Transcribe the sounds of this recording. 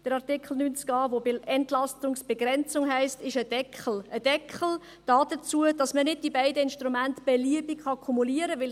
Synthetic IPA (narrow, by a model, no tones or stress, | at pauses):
d̥əɾɑʁtɪkχl̩ˠnynt͡skɑːvobɪɛntlɑstʊŋsb̥eɡɾɛnt͡sʊŋɦɛɪstɪʃədɛkʰχl̩əd̥ɛkχl̩ | d̥ɑːd̥ət͡suəd̥ɑsmənɪd̚d̥ibæɪdəɪnʃtɾumæntb̥eliəbikχɑkʰumuliəɾəʋɪl